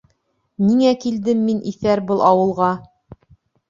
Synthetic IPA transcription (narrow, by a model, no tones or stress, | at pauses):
niŋækild̪ɘmːinʔiθæɾbɤlˠʔɑwɤ̆lˠʁɑ